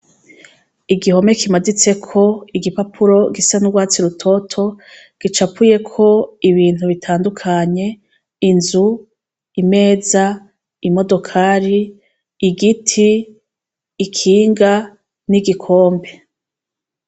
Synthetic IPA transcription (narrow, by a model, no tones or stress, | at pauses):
iɡiho̞me̞kimadit͡se̞kʰo̞iɡipapʰuɾo̞ɡisanuɡwaːt͡siɾutʰo̞tʰo̞ | ɡ̥it͡ʃapuje̞kʰo̞iβiːn̥huβitʰaːndukʰaɲe̞ | inzu | ime̞ːza | imo̞do̞kʰaɾiː | ɡitʰi | kʰiːŋɡa | niɡikʰo̞ːmbe̞